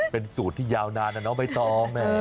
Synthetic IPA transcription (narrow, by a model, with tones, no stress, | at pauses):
pe˧nsuː˨˩t̪ʰːiː˥˩jaː˧wnaː˧nʔa˨˩nɔ˦˥pa˧jt̪ɔː˨˩ma˧˦˧